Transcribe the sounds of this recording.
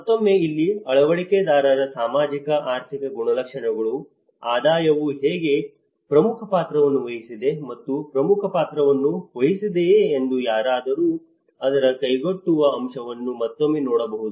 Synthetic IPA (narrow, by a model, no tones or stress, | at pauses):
mɐt̪ːomːeilːiɐɭɐʋɐɭiked̪aːɾɐɾɐsaːmaːd͡ʒikɐʔaːɾt̪ʰikɐɡuɳɐlɐkʂɐɳɛɡɐɭu | aːd̪aːjɐʋuɦeːɡe̞ | pɾɐmukʰɐpaːt̪ɾɐʋɐnːuʋɐɦisid̪e̞mɐt̪ːupɾɐmukʰɐpaːt̪ɾɐʋɐnːuʋɐɦisid̪eːnd̪ujaːɾaːd̪ɐɾuː | ɐd̪ɐɾɐkɐjɡoʈːuʋɐːmʂɐʋɐnːumɐt̪ːomːeːnɔːɽɐbɐɦud̪u